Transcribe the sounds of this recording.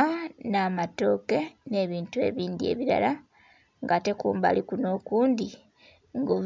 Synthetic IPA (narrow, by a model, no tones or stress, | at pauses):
anaːmato̞ke̞ne̞βiːntue̞̰βiːndie̞̰βiɾa̰la | ŋɡate̞kṵːmba̰likuno̞kuːndi | ŋɡo